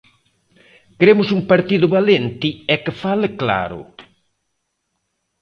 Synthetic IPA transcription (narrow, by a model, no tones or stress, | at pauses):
kɾemʊsuŋpaɾt̪iðʊβalent̪ɪɛkefalɪkla̰ɾʊ̰